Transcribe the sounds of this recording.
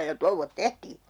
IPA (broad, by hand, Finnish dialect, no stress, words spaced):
jɑ touʋːot tehtiː